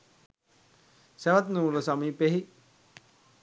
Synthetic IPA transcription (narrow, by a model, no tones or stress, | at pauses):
sɛʋat̪nuːuɾəsamiːpeɦi